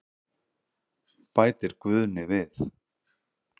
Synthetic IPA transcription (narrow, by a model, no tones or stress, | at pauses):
paːjt̪ɪɾ̥kvʏðnɪvɪθ